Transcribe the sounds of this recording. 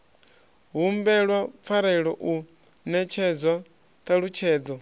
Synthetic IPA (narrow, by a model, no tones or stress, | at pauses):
ɦumbɛɺwap̪fʰaɾɛiɺɔʔu | nɛt͡ʃʰɛd͡zwa | t̪aɺut͡ʃʰɛːd͡zɔ